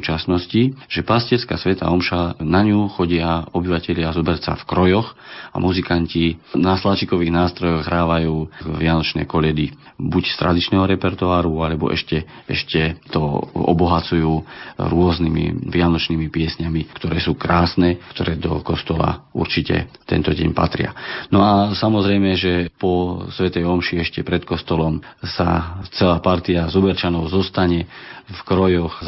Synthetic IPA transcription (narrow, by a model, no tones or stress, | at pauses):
t͡ʃasnɔsciʒ̥ɛpasciɛɾska̰ːsʋɛt̪a̰ɔmʃanaɲuxɔɟɪaɔbiʋacɛʎɪazɔbɛɾsa̰fkɾɔjɔxa̰muzikancinaslat͡ʃikɔʋiːɣnaːst̪ɾɔjɔɣɦɾaːʋajuːʋɪanɔt͡ʃnɛ̰ːkɔʎɛd̪i | bucst̪ɾʔa̰d̪it͡ʃnɛːɦɔɾɛpɛɾt̪uaːɾualɛbɔ̰ʔɛ̰ʃcɛ | ɛ̰ʃcɛt̪ɔ̰ɔ̰bɔɦat͡sujuːɾʊɔznimḭʋɪanɔt͡ʃnimipɪɛsɲamikt̪ɔɾɛːsuːkɾaːsnɛːkt̪ɔɾɛːd̪ɔ̰kɔst̪ɔla̰ṵɾt͡ʃicɛ̰t̪ɛ̰nt̪ɔɟɛ̰ɲpa̰t̪ɾɪa̰nɔasamɔzɾɛjmɛʒɛpɔsʋɛt̪ɛjɔmʃiɛʃcɛpɾɛt̪kɔst̪ɔlɔmsa̰t͡sɛlaːpaɾt̪iazubɛɾt͡ʃanɔʊzɔst̪aɲɛfkɾɔjɔx